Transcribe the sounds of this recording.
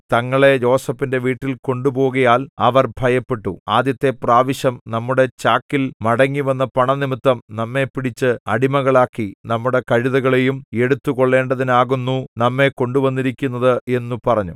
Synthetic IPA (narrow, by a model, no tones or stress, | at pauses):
t̪ɐŋːɐɭe̞jo̞ːsɐfinde̞ʋiːʈːilko̞ɳɖupo̞ːɣɐjaːlɐ̰ʋɐrbʱɐjɐpːeʈːṵaːd̪jɐt̪ːe̞praːʋiɕɐmnɐmːuɽe̞t͡ɕaːkːilmɐɽɐŋːiʋɐnːɐpɐɳɐnimit̪ːɐmnɐmːe̞piɽit͡ɕːɨɐɽimɐɣɐɭaːkːinɐmːuɽe̞kɐɻiðɐɣɐɭejume̞ɽut̪ːuko̞ɭːe̞ːɳɖɐðinaːɣunːunɐmːe̞ko̞ɳɖuʋɐnːiɾikʲːunːɐðɨe̞nːupɐrɐɲːṵ